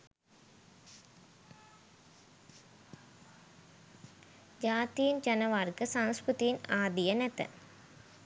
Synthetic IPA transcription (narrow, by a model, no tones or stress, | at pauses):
d͡ʑaːt̪ijind͡ʒɐnɐʋaːɾkɨsaŋskɾut̪ijinaːd̪ijɐnɛt̪ːɐ̰